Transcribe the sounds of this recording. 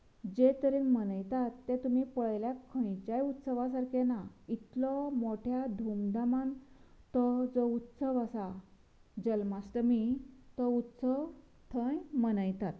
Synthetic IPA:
d͡ʑet̪əɾenmənəjt̪at̪ːet̪umipəɭljakʰə̃jt͡ɕajut̪səʋas̬aɾkenait̪lɔmoʈʰjad̪ʱumd̪aman | t̪ɔd͡zɔut̪səʋasa | d͡ʑəlmasʈəmit̪ɔut̪səʋ | t̪ʰə̃jmənəjt̪at̪

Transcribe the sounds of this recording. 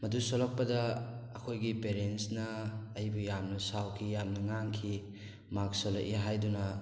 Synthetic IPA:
mɐdusolɐk̚pɐdɐː | kʰojɡipeɾensnɐːjbujamnɐsawkʰijamnɐŋaŋkʰi | maksolɐ̰keɦajdunɐ

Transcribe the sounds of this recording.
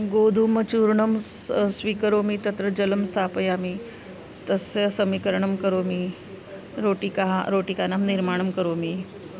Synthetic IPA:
ɡoːd̪ʱuːmɐt͡ʃuɾɳəmssʋiːkəɾoːmit̪ɐt̪ɾəd͡ʒɐləmst̪ʰaːpəjaːmi | t̪ɐsesɐmikəɾɳəmkəɾoːmi | ɾoːʈikaɾoːʈikaːnamniɾmaːɳ̃ɐmkɐɾoːmi

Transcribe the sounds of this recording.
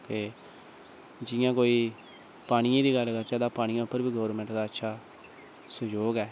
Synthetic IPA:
keː | d͡ʒɪjãːkoːiː | paːɽ̃iãːd̪iːɡəlɡəɾt͡ʃaːd̪aːpaːɽ̃ĩːãːʊpːəɾbiːɡɔːɾmɛ̃ɳʈd̪aːətːʃʰaː | səd͡ʒoːɡɛː

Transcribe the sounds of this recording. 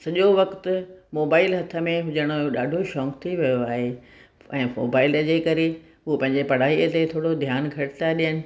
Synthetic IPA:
sɐʄoʋɐkt̪ʊmoːbaːɪlɦɐt̪ʰə̆mẽɦʊd͡ʑəɽ̃oɗaːɖʱoʃɔ̃ːkt̪ʰiʋijoaːɦe | ɛ̃ːmo̰ːbaːɪld͡ʑeːkɐɾe | uopɐ̃ɦɪ̃ɲd͡ʑepɐɽ̤aːiət̪et̪ʰoːɽod̪ʱjaːnɡʱɐʈɪt̪aɗijənɪ̆

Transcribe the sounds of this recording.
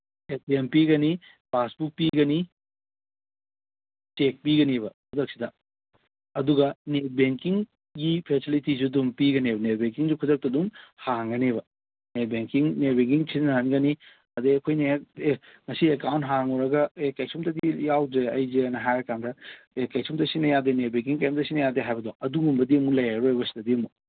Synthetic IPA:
es̚iempiɡɐni | basbuk̚piɡɐni | t͡ʃek̚piɡɐneβɐkʰudɐk̚sidɐ | ɐduɡɐnet̚beŋkiŋ | ɡipʰesilitizudumpiɡɐnebɐnet̚beŋkiŋzukʰudɐk̚tɐdumhaŋɡɐneβɐ | net̚beŋkiŋnet̚beŋkiŋsʰinɐɦɐnɡɐni | ɐdeɐkʰojneeŋɐsiekawnt̚ɦaŋɔɾɐɡɐekɐjsomtɐdijawd͡ʒeɐjzeɐnɐɦajɾɐkandɐ | ekɐjsumtɐsinɐjadenet̚beŋkiŋkɐjmtɐsinɐjadeɦajbɐdoɐduŋumbɐdiɐmulɐjaɾojbɐsi̥dɐdiɐmu

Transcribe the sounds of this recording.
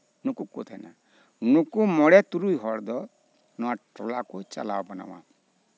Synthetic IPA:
nũkukot̪ʰana̰ | nukumɔɽet̪uɾuiɦɔɽd̪ɔ | nɔaʈɔlakut͡ʃa̰la̰wbɔna̰wã̰

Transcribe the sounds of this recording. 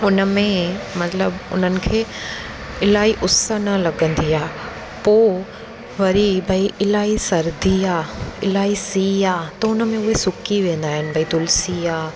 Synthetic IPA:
ʊnəmẽmɐt̪ləbʊ̰n̤ənɪ̆kʰeː | ɪlaːiʔʊsənɐlɐɡə̃nd̪iaː | poː | ʋɐɾibʱɐiʔɪlaːɦisɐɾd̪iaːɪlaːisiːaːt̪ɐʊnəmẽʊɦesʊkiʋẽːn̆d̪aːɦɪnɪ̆bʱɐid̪ʊlsiaː

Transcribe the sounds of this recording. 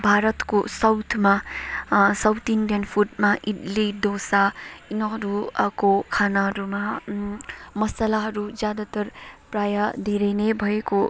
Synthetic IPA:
bʱaɾʌt̪kosʌwt̪ʰma | sʌwt̪inɖjʌnpʰuʈmaʔiʈlid̪osainʌɦʌɾukokʰanaɦʌɾuma | mʌsəlaɦʌɾud͡zjad̪at̪ʌɾprajad̪ʱeɾʌnebʱʌeko

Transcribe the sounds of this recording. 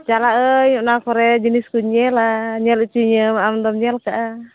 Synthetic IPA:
t͡ʃalaʔəɲuʔnakɔɾɛd͡ʒəniskuɲɛlaɲɛlut͡ʃiɲəmaamdɔmɲɛlkaʔa

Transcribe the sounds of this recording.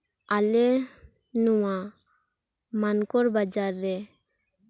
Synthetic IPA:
ale | nuwa | mankɔɾbad͡ʒaɾːɛ

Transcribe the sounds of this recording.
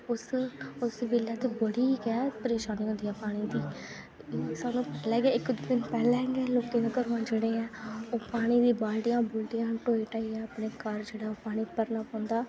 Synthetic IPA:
ʊsʊsʋɪlːaːt̪ebəɽiːɡɪaːpəɾeːʃaːniːɦõnd̪ijãːpaːɽ̃iːd̪iː | saːnũːpɛːlɛːɡaːɪkːd̪d̪ɪnpɛːlɛɦɛɡɛːloːkẽːnãkəɾʋãːd͡ʒeːɽeːɛ̃ːoːpaːɽ̃iːd̪iːbaːlʈɪjãːbʊːlʈ̪ijãːʈoːiːʈaːiɛ̃ːəpɳeːkəɾd͡ʒeːɽaːoːpaːɽ̃iːpəɾnaːpɔ̃ːnd̪aː

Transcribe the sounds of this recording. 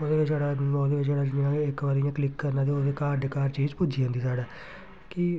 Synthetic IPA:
od̪eːʋɪt͡ʃsaːɽaːnɔːd̪eːʋɪt͡ʃsaːɽaːd͡ʒɪjãːɪkʋaːɾɪjãːklɪkːəɾnãːd̪eːoːd̪eːkaːɾɖekaːɾt͡ʃiːzpʊd͡ʒiːõnd̪iːsaːɽaː | kɪ

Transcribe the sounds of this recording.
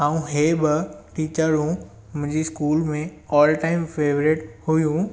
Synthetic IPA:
ãːũɦeːbɪʈiːt͡ɕəɾũ | mʊ̃ɦɪ̃ɲd͡ʑiskuːlmẽɔːlʈaːɪmfeːʋɾeːʈhujũ

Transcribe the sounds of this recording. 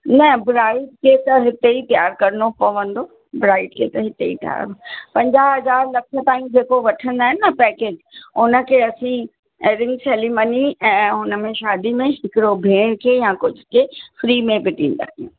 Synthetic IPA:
nɐbɾaːɪʈkʰet̪ɐɦɪt̪eit̪ijaːɾkɐɾnopɐʋə̃nd̪o | bɾaːɪʈ̚kʰet̪ɐɦɪt̪eḭt̪ja̰ːɾpɐ̃ɲd͡ʑaːɦɐzaːɾlɐkʰə̆t̪aːĩd͡ʑeːkoʋɐʈʰə̃nd̪aːɦɪnːɐpɛːkeːd͡ʑʊnə̆kʰeɐsĩ | eɾɪ̃ŋɡseːliməniɛ̃ːɦʊnə̆mẽʃaːd̪imẽɦɪkɪɽobʱeːɽ̃kʰeːjãkʊd͡ʑʱʊkʰefɾiːmẽbɪʈĩːn̆d̪a̰ːiṵ̃

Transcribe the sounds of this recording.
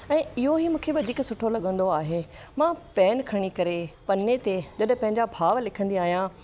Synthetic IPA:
ɛ̃ːɪɦoɦimũːkʰeʋɐd̪ʱiːksʊʈʰolɐɠə̃nd̪oaːɦe | mãpɛːnkʰɐɽ̃ikɐɾepɐnːet̪ed͡ʑɐɗpɐ̃ɦɪ̃ɲd͡ʑabʱaːʋlɪkʰə̃nd̪iaːɦijã

